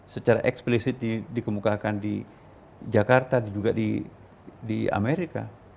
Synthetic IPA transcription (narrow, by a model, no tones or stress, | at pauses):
sət͡ʃaɾa̰ʔɛksplisɪt̪̚didikəmukakandi | d͡ʒakart̪adid͡ʒuɡadḭ | dia̰mɛɾika̰